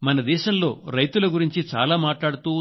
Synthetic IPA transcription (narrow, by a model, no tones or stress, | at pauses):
mɐnɐd̪ɛːʃɐmlo̞ːɾɐjt̪ulɐɡuɾiɲt͡ʃit͡ʃa̰ːlaːmaːʈlaːɽut̪uː